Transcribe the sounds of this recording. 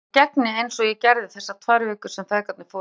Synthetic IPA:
cɛknɪejnsɔɣjɛcɛɾðɪθɛsːat̪ʰvajɾvɛːkʏ̥sɛmfɛðkat̪nɪ̥foː

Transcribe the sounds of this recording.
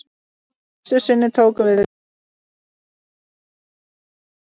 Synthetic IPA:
sɛ̥sɪnːɪt̪ʰoːwkʏvɪð

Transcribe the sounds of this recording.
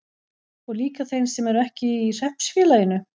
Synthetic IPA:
ɔɣliːkaθejnsɛmɛɾɛhcɪir̥ɛhpsfjɪːlajɪnʏ

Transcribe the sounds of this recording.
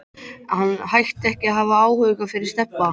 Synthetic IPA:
hanːhajht̪ɛhcɪaɦavaaːwhœʏkafɪɾɪɾ̥st̪ɛpːa

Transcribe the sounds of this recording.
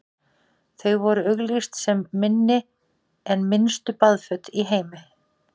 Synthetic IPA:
θœɥɣvɔɾʏœɣlist̪sɛmːɪnːɪ | ɛnmɪnst̪ʏpaðfœt̪iɦeːjmɪ

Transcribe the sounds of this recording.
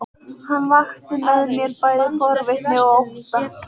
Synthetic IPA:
hanːvaxt̪ɪnɛðɪmjɛɾpaːjðɪfɔɾvɛt̪nɪɣowht̪a

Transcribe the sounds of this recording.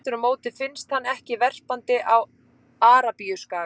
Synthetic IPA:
t̪ʏɾʏmoːwt̪ɪ̥fɪnst̪hanːɛhcɪvɛr̥pant̪ɪʔaw | aːɾapiʏskaː

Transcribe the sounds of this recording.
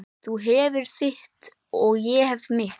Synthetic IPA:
θuɦɛːvɪɾ̥θɪht̪ | ɔɣjɛhɛvmɪh

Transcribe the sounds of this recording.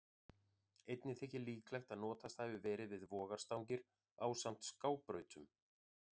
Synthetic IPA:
ejt̪nɪθɛhcɪliːklajxt̪aðnɔːt̪ast̪ajvʏvɛːɾɪvɪðvɔːɣaɾ̥st̪awŋcɪɾ̥ | awsam̥t̪skaːwpɾœːɥt̪ʏm

